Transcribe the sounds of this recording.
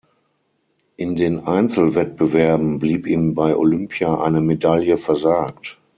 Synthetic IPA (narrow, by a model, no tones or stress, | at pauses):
ʔɪndeːnʔaɪnt͡sl̩vɛt̚b̥əvɛɐbm̩bliːpiːmbaɪʔo̰lʏmpʰjaʔa̰ɪnəmedaljəfɛɐzaːk̚t